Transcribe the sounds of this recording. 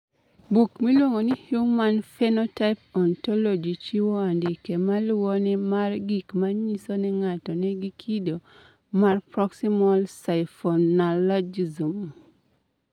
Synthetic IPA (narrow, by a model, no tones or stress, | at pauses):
bukmilwoŋonihjumanfɛnɔtapɔntɔlod͡ʒit͡ʃiwɔandɪkɛmalwɔnɛmarɡikmaɲisonɛŋatɔnɛɡikʰido | marpɾɔksimɔlsaɪfɔnalad͡ʒizum